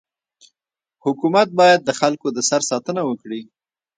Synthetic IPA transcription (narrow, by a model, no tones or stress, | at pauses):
hʊkumat̪̚bɑjad̪̚ːəxalkod̪əsaɾsɑt̪ənawəkɽi